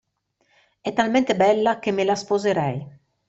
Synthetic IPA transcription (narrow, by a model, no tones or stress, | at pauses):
ɛt̪almɛnt̪ebɛlːakemelaspozeɾɛj